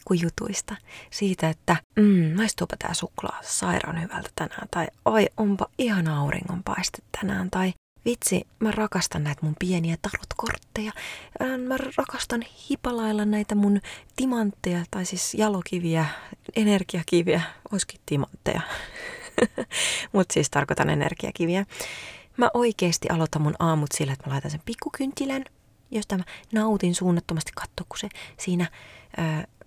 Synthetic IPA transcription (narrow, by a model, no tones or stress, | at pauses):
kujut̪ṵist̪ɑsiːt̪æet̪ːæm̩ːmɑist̪uopɑ̥t̪ʰæ̰ːsuklɑ̰ːsɑirɑ̰nhyʋæ̰lt̪æ̥t̪ænæ̰ːnt̪ɑiɑiʔompɑihɑnɑurḭŋːompɑ̰ist̪e̥t̪tænæ̰ːnt̪ɑi | ʋit̪sḭmærɑkɑst̪ɑnnæit̪mumpieniæt̪ɑrot̪ko̰rt̪ːejɑ | mærrɑkɑst̪ɑnhipɑlɑilːɑnæit̪æmunt̪imɑnt̪ːejɑt̪ɑisiːsjɑlokiʋiæenerkiɑkiʋiæoiski̥tt̪imɑ̰nt̪ːḛjɑ̰ | mut̪siːst̪ɑrkot̪ɑ̰nḛnḛrkiɑ̰kiʋiæ | mæʔoikeːst̪iʔɑlot̪ɑmmunɑːmut̪silːeet̪mælɑit̪ɑnsempikːukynt̪ʲːilæn | jɑsit̪æmænɑut̪insuːnːɑt̪ːomɑst̪i̥kɑ̥t̪ːoːkku̥sesiːnæəː